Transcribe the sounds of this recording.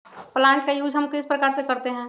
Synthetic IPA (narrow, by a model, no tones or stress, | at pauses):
plãːɳʈ̚kajuːd͡ʒʱɦəmkɪspɾəkaːɾsekɐɾt̪eɦɛ̃ː